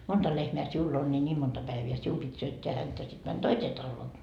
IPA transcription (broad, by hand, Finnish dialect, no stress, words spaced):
montɑ lehmeæ siulː on ni nʲiːm montɑ pæiʋiæ sium pit syøtːeæ hæntæ sit mæn toiseː tɑlːoː